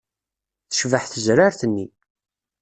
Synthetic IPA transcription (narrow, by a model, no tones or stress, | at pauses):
θə̥ʃvəħθəzɾaɾθənːi